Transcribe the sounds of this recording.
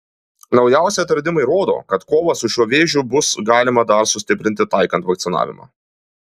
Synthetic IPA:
nɒʊjæˑʊsʲɛɐt̪ɐɾʲd̪ʲɪmɐɪɾoːd̪o̰ːkɐt̪koːʋɐsʊʃʲuɔʋʲeːʒʲʊbʊsɡɑːlʲɪmɐd̪ɐɾsʊsʲt̪ʲɪpʲɾʲɪnʲt̪ʲɪt̪ɑɪkɐnt̪ʋɐkt̪sʲɪnɑ̰ːʋʲɪ̰mɑ̰ː

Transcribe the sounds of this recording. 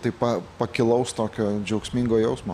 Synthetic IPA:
t̪ɐɪpɐpɐkʲɪlˠɐʊst̪oːkʲoːd͡ʒʲɛʊksʲmʲiŋɡoːjɛʊsmoː

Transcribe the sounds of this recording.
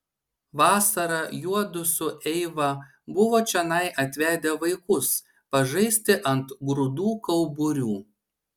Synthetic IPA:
ʋɑːsɐɾɐjuɔd̪ʊsʲʊʔɛɪʋɐ | bʊʋoːt͡ʃʲɛnɐɪʔɐt̪ʲʋʲæːd̪ʲeʋɐɪkʊs | pɐʒɐɪsʲt̪ʲɪʔɐnt̪ɡɾʊd̪uːkɐʊbʊɾʲuː

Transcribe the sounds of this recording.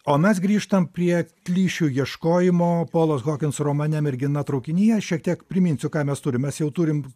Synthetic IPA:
oːmʲɛs̬ɡɾʲiːʃt̪ɐmpʲɾʲiɛklʲiːʃʲuːjiɛʃkoːjɪmoːpoːlˠoːsɣoːkʲɪnsroːmɐnʲɛmɪɾʲɡʲɪnɐt̪ɾɐʊkʲɪnʲiːjɛʃʲiɛkt̪ʲiɛkpʲɾʲɪmʲɪːnʲsʲʊkɑːmʲɛst̪ʊɾʲɪmʲɛsjɛʊt̪uːɾʲɪm

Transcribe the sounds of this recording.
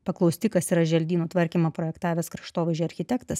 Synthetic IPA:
pɐklˠɒʊsʲt̪ʲɪkɐsiɾɐʒʲɛlʲd̪ʲiːnuːt̪ʋɐɾʲkʲimɐpɾɔːjɛkt̪ɑːʋʲeɛskɾɐʃt̪oːʋʲeʒʲɛɐɾʲxʲɪt̪ʲɛkt̪ɐs

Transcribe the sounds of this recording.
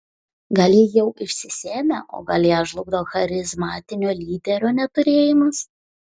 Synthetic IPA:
ɡɐlʲjɪjɛʊʔɪʃʲsʲɪsʲeːmʲɛʔo̰ːɡɐlʲjæːʒlˠʊɡd̪ɐʋoːxɐɾʲɪzmɑːt̪ʲɪnʲoːlʲiːd̪ʲɛɾʲoːnʲɛt̪ʊɾʲeːjɪmɐs

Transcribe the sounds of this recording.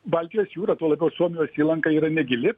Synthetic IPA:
bɐlʲt̪ʲɪjoːsjuːɾɐt̪uːlˠɐbʲɛʊsuɔmʲɪjoːsʲiːlˠɐŋkɐiːɾɐnʲɛɡʲɪlʲɪ

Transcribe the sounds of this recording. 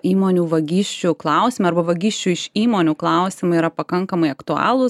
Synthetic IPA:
iːmoːnʲuːʋɐɡʲiːʃʲt͡ʃʲuːklˠɑʊsʲɪmɐɐɾrbɐʋɐɡʲiːʃʲt͡ʃʲuːɪʃiːmoːnʲuːklˠɐˑʊsʲɪmɐiɾɐpɐkɐŋkɐmɐɪɐkt̪ʊɑ̰ːlˠʊ

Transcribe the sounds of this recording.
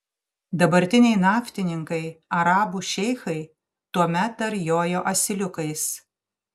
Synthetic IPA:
d̪ɐbɐɾʲt̪ʲɪnʲɛɪnɑːfʲt̪ʲɪnʲɪŋkɐɪɐɾɑːbuʃʲɛɪxɐɪ | t̪uɔmʲɛt̪ːɐɾjoːjoːʔɐsʲɪlʲʊkɐɪs

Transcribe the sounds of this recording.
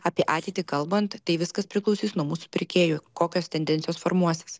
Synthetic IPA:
ɑːpʲiɛʔɑːt̪ʲɛɪt̪ʲiːkɐlˠbɐnt̪ːɐɪʋʲɪskɐspʲɾʲɪklˠɔʊsʲiːsnuɔmuːsu̥pʲɪɾʲkʲeːjʊːkoːkʲoːst̪ʲɛnʲd̪ʲɛnt̪sʲɪjoːsfoːɾmuɔsʲes

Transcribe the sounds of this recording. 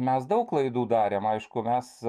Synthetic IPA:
mʲɛsd̪ɐʊklˠɐɪd̪uːd̪ɑːɾʲemɐɪʃkʊmʲɛs

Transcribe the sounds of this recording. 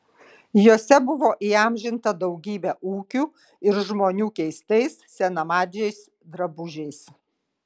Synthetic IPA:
joːsʲɛbʊʋoːʔiɑˑmʲʒʲɪnt̪ɐd̪ɒʊɡʲiːbʲæʔuːkʲuː | ɪɾʒmoːnʲuːkʲɛɪst̪ɐɪssʲɛnɐmɑːd̪ʲɛɪs | d̪ɾɐbʊʒʲɛɪs

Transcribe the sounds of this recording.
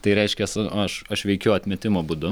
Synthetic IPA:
t̪ɐɪɾʲɛɪʃʲkʲɛsʊɐʃɐʃʋʲɛɪkʲɛʊɐt̪ʲmʲɛt̪ʲɪmoːbud̪ʊ

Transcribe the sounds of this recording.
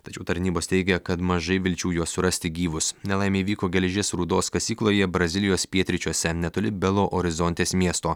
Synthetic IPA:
t̪ɐt͡ʃʲɛʊt̪ɐɾʲnʲiːboːst̪ʲɛɪɡʲɛkɐt̪mɐʒɐɪʋʲɪlʲt͡ʃʲuːjuɔsʊɾɐsʲt̪ʲɪɡʲiːʋʊsnʲɛlˠɐɪmʲeːiʋʲiːkoːɡʲɛlʲʒʲeːsɾuːd̪oːskɐsʲiːklˠoːjɛbɾɐzʲɪlʲɪjoːspʲiɛt̪ʲɾʲɪt͡ʃʲuɔsʲɛnʲɛt̪oːlʲɪbʲɛlˠoːʔɔɾʲɪzɔnʲt̪ʲeːsmʲiɛst̪oː

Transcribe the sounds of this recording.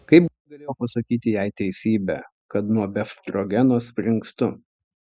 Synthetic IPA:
kɐɪp | ɡɐlʲeːjoːpɐsɐkʲiːt̪ʲɪjæɪt̪ʲɛɪsʲiːbʲɛ̰ | kɐt̪nuɔbʲɛft̪ɾoɡʲɛnoːspʲɾʲɪŋkst̪ʊ

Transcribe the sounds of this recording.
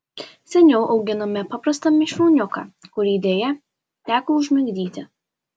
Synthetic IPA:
sʲɛnʲɛʊʔɒʊɡʲɪnɐmʲɛpɑpɾɐst̪ɐmʲɪʃʲoːnʲʊkɑ̰ːkʊɾʲiːd̪ʲeːjɛ | t̪ʲæːkoʊʒʲmʲɪŋɡd̪ʲiːt̪ʲɪ

